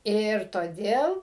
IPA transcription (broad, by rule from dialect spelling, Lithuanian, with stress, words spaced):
ˈɪr toːˈdʲeːlˠ